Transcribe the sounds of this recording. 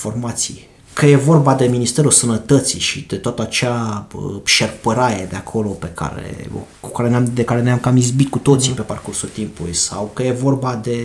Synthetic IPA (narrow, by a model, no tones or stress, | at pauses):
fo̞rmat̪sḭj | kəje̞vo̞rbad̪e̞minist̪e̞ɾusənət̪ət̪siʃid̪e̞t̪oat̪əat͡ʃea | ʃerpəɾaɾed̪eakʰo̞lo̞pe̞kʰa̰ɾḛkukaɾe̞namd̪ekaɾe̞neamkamizbit̪̚kut̪o̞t̪sipe̞parkursult̪impulṵjsawkəje̞vo̞rbad̪e̞